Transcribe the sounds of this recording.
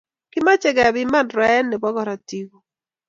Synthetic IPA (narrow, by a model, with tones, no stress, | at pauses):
kɪ˦ma˦t͡ʃɛ˨ɡa˨bɪ˦ma˦˨nɾɛ˦ɛ˦nːɪ˨bɔ˦ɡɔ˦ɾa˨ti˦ɡo˨